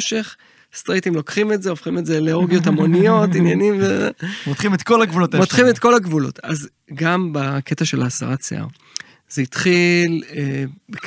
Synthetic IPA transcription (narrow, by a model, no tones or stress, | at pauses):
ʃe̞χ | st̪ʁitimlo̞kχime̞tzeofχimetzeleoʁɡijo̞tamo̞nijo̞tinjanimvemot̪χimet̪kolaɡvulotmot̪χimet̪̚ko̞laɡvulo̞̰ta̰z | ɡambaketaʃelaːsa̰ʁat͡sḛʔa̰ʁ | z̥eitχilebek